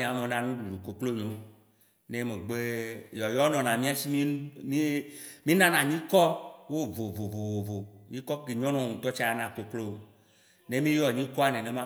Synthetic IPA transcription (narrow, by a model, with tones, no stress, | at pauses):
ĩ˨a˨me˨nã˨nũ˦ɖu˨u˨ko˨klo˦ɲõ˦ | ne˦me˨ɡ͡be˦jɔ˨jɔ˦nɔ̃˨nã˨mĩ˦a˦si˦mĩ˦mi˦mĩ˦nã˦nã˨ɲĩ˦kɔ˦wo˦vo˨vo˨vo˨vo˨vo˨mĩ˦kɔ˦ki˨ɲɔ̃˦nɔ̃˨ŋũ˨t̪ɔ˦t͡ʃa˦a˦nã˨ko˨klo˦o˨ | ne˦mĩ˦jɔ˨ɲĩ˦kɔ˦a˨nẽ˨ne˨mã˦